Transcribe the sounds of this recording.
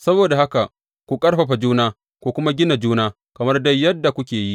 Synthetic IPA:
sɐ˦boː˨da˨ha˦ka˨ | kʷu˨kʼɐ˦rɸɐ˨ɸa˨d͡ʒuː˦naː˦ | kʷo˦kʷʊ˦ma˦ɡʲɪ˦na˨d͡ʒuː˦naː˦ | kɐ˨mɐ˦rda˦jːɐ˦dːa˨kʷʊ˦kʲeː˨ji˦ʔ

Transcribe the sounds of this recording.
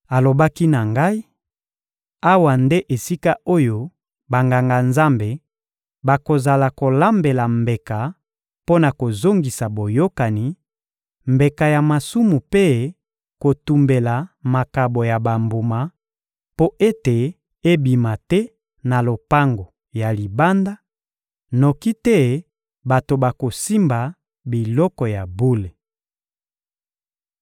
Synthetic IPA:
a˨lo˨ba˦ki˦na˨ŋɡa˦i˦ | a˦wa˨nde˦ʔe˨si˦ka˦o˦jo˦ | ba˨ŋɡa˨ŋɡa˨nza˦mbe˨ | ba˨ko˨za˨la˨ko˨la˦mbe˨la˨mbe˨ka˨ | po˦na˨ko˨zo˦ŋɡi˨sa˨bo˨jo˦ka˨ni˨˦ | mbe˨ka˨ja˨ma˨su˦mu˨pe˦ | ko˨tu˨mbe˨la˨ma˨ka˨bo˨ja˨ba˨mbu˨ma˨˦ | po˦ʔe˦te˨ | e˦bi˨ma˨tɛ˦ | na˨lo˨pa˦ŋɡo˨ | ja˨li˨ba˦nda˦ | no˨ki˦tɛ˦ | ba˨to˨ba˨ko˨si˦mba˨ | bi˨lɔ˦kɔ˨ja˨bu˦le˨

